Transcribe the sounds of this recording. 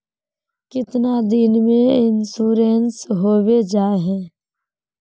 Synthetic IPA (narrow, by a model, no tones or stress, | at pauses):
kɪt̪nad̪ɪnmẽɪnsuːɾeːnsɦoːwed͡ʒaːeɦɛ̃ː